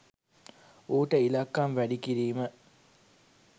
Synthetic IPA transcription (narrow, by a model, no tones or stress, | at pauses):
oːʈəilɐkːɐmʋæɖikiɾiːmə